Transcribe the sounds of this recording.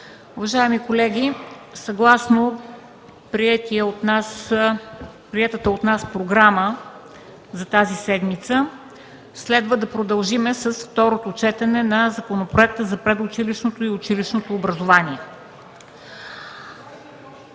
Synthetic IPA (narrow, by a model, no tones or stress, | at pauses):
ʊvɐʒaɛmikolɛɡʲisɐɡlˠasno | pɾiɛt̪iənas | pɾiɛt̪ət̪əot̪naspɾoɡɾamə | zɐt̪azisɛd̪mit̪sə | slɛd̪vəd̪ɐpɾod̪ɐlˠʒimɛsəsft̪ɔɾot̪ot͡ʃɛt̪ɛnɛnɐzɐkonopɾoɛk̚t̪əzɐpɾɛd̪ʊt͡ʃiliʃnot̪oiʊt͡ʃiliʃnot̪oːbɾɐzovaniɛ